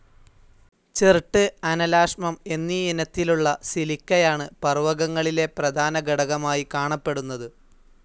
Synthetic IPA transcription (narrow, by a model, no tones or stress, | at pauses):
t͡ɕerʈːɨɐnɐlaːʂmɐme̞nːiinɐt̪ːiluɭːɐsilikʲːɐjaːɳɨpɐrʋɐɣɐŋːɐɭile̞prɐd̪ʱaːnɐɡɐɽɐɣɐmaːjikaːɳɐpːe̞ɽunːɐðɨ